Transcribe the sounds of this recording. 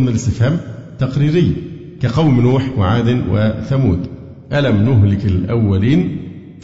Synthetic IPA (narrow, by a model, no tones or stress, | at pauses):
mɪlɪst̪ɪfhæːmt̪ɑqɾiːɾɪjː | kaqɑwmnuːħwɪʕaːd̪ɪnwɪ̰θæmuːd̪ | ʔælæmnʊɦlɪkɪlʔawːæliːn | f